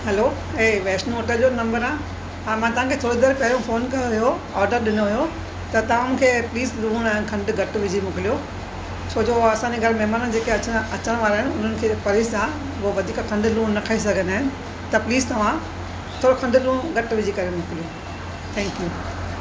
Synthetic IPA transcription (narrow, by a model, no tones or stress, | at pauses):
ɦɛlo | ɦeːʋeːsʈnoːʈəd͡ʑonɐ̃mbəɾãː | ãmãt̪ɐʋ̤ãkʰet̪ʰoːɾid̪əɾpɐɦɪɾjõfoːnkɐjoɦijo | ɔːɾɖəɾɗɪnoɦʊjo | t̪ɐt̪ɐʋ̤ãmũːkʰepliːzlũːɽ̃aːɦɪ̃n̆kʰɐ̃ɳɖɡɐʈʋɪd͡ʑʱimʊkɪlijo | t͡ɕʰoːd͡ʑoɐsãːɲd͡ʑeɡʱɐɾmɛɦmaːnə̃d͡ʑeːkeɐɐt͡ɕəɽ̃ʋaːɾaːɦɪnɪ̆ʊn̤ənɪ̆kʰeːpɐɾɪsã | ʋoʋɐd̪ʱiːkkʰɐ̃ɳɖlũːnɐkʰaːis̬ɐɡʱə̃naːɦɪnɪ̆ | t̪ɐpliːzt̪ɐʋ̤ã | t̪ʰoːɾokʰɐ̃ɳɖlũːɡɐʈʋɪd͡ʑʱikɐɾemʊkɪlijo | t̪ʰɛ̃ːŋkjuː